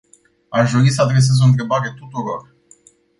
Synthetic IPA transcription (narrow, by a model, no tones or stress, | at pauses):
aʃd̪o̞ɾisəad̪ɾe̞s̬e̞zo̞ɨnt̪̬ɾe̞baɾe̞t̪ut̪uɾo̞r